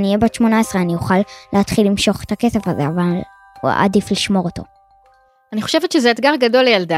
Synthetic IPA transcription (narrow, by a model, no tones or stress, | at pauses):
nijebatʃmo̞naesʁeanijoχalːeat̪χilːimʃo̞χet̪ake̞se̞fazeaval | ṵa̰difliʃmo̞ʁoto̞̰ | aniχo̞̥ʃevet̪ʃezeet̪ɡaʁɡado̞lːejalda